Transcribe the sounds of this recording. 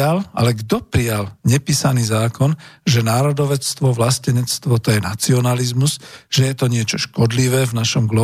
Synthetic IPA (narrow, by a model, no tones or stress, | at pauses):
ala̰lɛɡd̪ɔpɾijalɲɛpiːsaniːzaːkɔnʒɛnaːɾɔd̪ɔʋɛt͡st̪ʋɔʋlascɛɲɛt͡st̪ʋɔt̪ɔjɛna̰t͡siɔnalizmuz̥ʒ̥ɛjɛt̪ɔɲɪɛt͡ʃɔʃkɔd̪liʋɛːvnaʃɔmɡlɔ